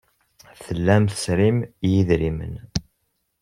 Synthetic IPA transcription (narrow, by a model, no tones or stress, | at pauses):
θəlːæmθə̥sɾimjiðɾimə̰n